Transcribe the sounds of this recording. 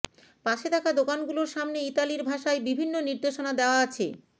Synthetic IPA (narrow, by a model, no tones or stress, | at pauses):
paʃet̪akad̪okanɡuloɾʃamneit̪aliɾbʱaʃaebibʱinːoniɾd̪eʃonad̪eoaat͡ɕʰe